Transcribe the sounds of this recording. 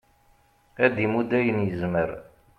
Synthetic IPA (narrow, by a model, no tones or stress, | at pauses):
æd̪imud̪æjənjəzməɾ